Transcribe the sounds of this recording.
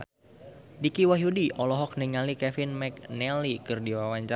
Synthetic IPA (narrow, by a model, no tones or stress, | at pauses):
dikiwaɦjudiʔɔlɔɦɔk̚niŋalikɛfɪnmɛknɛlikɨrdiwawaɲt͡ʃa